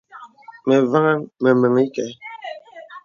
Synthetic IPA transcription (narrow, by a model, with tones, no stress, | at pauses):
mɛ˨va˦ŋa˦mɛ˨mə˨ŋi˦kɛ˨